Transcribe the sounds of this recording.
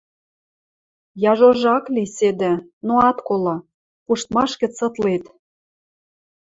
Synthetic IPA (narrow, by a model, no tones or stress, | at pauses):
jɑʒoʒɑklised̪ĕnoɑt̪kolɑ | puʃt̪mɑʃkɘ̆t͡sɤ̆t̪let̪